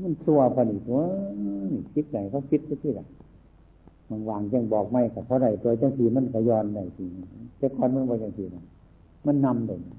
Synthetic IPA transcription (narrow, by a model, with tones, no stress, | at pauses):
ma˧˥˨nsʰu˧ɐkʰa˧˨nʔi˧˨˩t̪a˧˨˩ | pʰi˧˥t̪̚da˨˩jkʰa˧˩pʰi˧˥t̪̚ka˧t̪ʰiː˧˩da˨˩˨j | ma˧˩nwaː˨˩ŋt͡ɕa˧˩˨ŋbɔː˨˩k̚ma˧˩jka˧˩pʰɔ˧˦ɾa˧˩jt̪u˧˨t͡ɕa˧ŋt̪ʰiː˧˩ma˧˥˨nkʰa˧˩jɔː˧nda˧˨˩jsʰi˧˩na˧˩˧t̪ɛ˧˩kʰɔː˧˨nma˧˥˨nbaː˧t͡ɕa˧ŋt̪ʰiː˧˩˨na˧˩˨ | ma˧˥˨nːa˧˨mda˧˨˩a˧˩˨